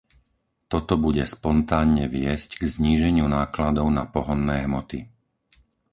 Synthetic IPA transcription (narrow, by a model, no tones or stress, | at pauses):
t̪ɔt̪ɔbuɟɛspɔnt̪aːnɲɛʋɪɛscɡzɲiːʒɛɲɪunaːklad̪ɔʊnapɔɦɔnːɛːɦmɔt̪i